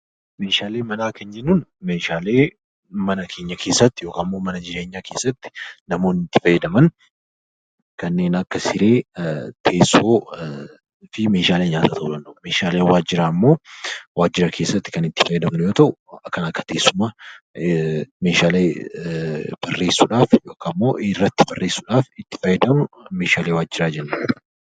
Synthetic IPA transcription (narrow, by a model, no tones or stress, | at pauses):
me̞ːʃaːle̞ːmɐnaːkɐnd͡ʒɛnːunme̞ːʃaːle̞ː | mɐnɐkʰe̞ːɲːɐkʰe̞ːsːɐt̪ːɪjoːkaːmːo̞ːmɐnɐd͡ʒɪɾe̞ːɲːaːkʰe̞ːsːɐt̪ːɪ̥nɐmo̞ːnːɪt̪ːɪ̥fɐjːɛd̪ɐmɐn | kɐnːe̞ːnɐkːɐsɪɾe̞ːt̪ʰe̞ːsːoː | fɪme̞ːʃaːleːɲaːt̪ɐt̪ʰɐʔʊlɐndɐme̞ːʃaːleːwaːd͡ʒɪɾaːmːo̞ːwaːd͡ʒːɪɾɐkʰeːsːɐt̪ːɪ̥kɐnɪt̪ːɪ̥fɐjɛd̪ɐmnʊjo̞ːt̪ɐʔʊɐkːɐnɐkːɐ̥t̪e̞ːsːʊmaː | me̞ːʃaːleː | b̥ɐrːe̞ːsːuᶑaːfjoːkʰamːo̞̰ːʔɪrːɐt̪ːɪbɐrːe̞ːsːʊᶑaːfɪt̪ːɪ̥fɐjːɛd̪ɐmʊme̞ːʃaːleːwaːd͡ʒːɪɾaːd͡ʒɛnːɐ